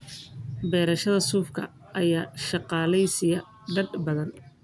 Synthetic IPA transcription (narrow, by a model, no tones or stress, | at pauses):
bɛːɾɐʃɐðɐsuːfkʰɐ̰ | ʔɐjaːʃɑqɑːlɛjsɪjɐ | ɖɐɖbɐðɐn